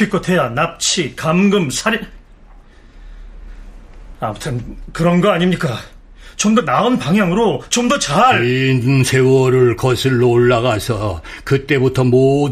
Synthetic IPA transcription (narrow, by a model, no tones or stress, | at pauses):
ik͈ʌt̪ʰejanap̚t͡ɕʰikamɡɯmsʰaɾ | amɯtʰɯnkɯɾʌnɡʌaɲimɲik͈a | t͡ɕomdʌnaɯnpaŋɦjaŋɯɾot͡ɕomdʌt͡ɕaɾɯnsʰe̞wʌɾɯɭkʌsʰiɭːoːɭːaɣasʰʌkɯt͈e̞butʰʌmo